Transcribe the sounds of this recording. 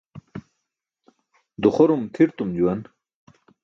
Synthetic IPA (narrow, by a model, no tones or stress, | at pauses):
d̪uχoɾumt̪ʰiɾt̪umd͡ʑuwɐn